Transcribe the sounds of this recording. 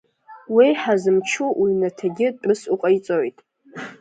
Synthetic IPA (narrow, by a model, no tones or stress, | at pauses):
wijħazɨmt͡ʃʰuʔjnatʰaɡʲɪtʼɨsuqʼajt͡sʼojtʼ